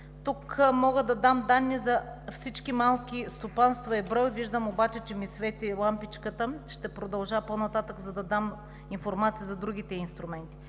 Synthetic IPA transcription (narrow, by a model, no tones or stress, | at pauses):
t̪ukmɔɡəd̪ɐd̪amd̪anːizɐfsit͡ʃkimalˠkʲist̪opanst̪vɐɛbɾɔjviʒd̪əmobat͡ʃɛt͡ʃɛmisvɛt̪ilˠampit͡ʃkət̪əʃt̪ɛpɾod̪ɐlˠʒaponɐt̪at̪əkzɐd̪ɐd̪am | infoɾmat̪siəzɐd̪ɾuɡ̟ʲit̪ɛinst̪ɾʊmɛnt̪i̥